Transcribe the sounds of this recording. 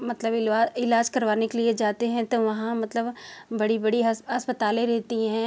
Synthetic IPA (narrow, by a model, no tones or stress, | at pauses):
mɐt̪ləbɪaːɪlaːd͡ʒkɐɾʋaːnekelied͡ʒaːt̪eɦɛ̃t̪oʋɐɦãmɐt̪ləbbɐɽibɐɽiɦɦɐspət̪aːlẽɾɛɦt̪iɦɛ̃ː